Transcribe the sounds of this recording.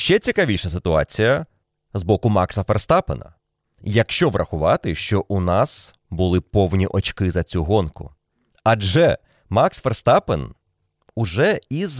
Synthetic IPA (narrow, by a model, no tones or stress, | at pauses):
ʃt͡ʃɛt͡sʲikɐʋʲijʃɐsɪt̪ʊɑ̰t͡sʲijɐ | zbɔkʊmɑksɐferst̪ɑpenɐ̰ | jɐkʃt͡ʃɔʋrʔɐxʊʋɑt̪ɪʃt͡ʃɔʔunɑs | bʊlˠɪpɔwnʲiʔɔt͡ʃkɪzɐt͡sʲuɦɔnkʊ̰ | ɐd͡ʒɛ | mɑksferst̪ɑpen | ʊʒɛiz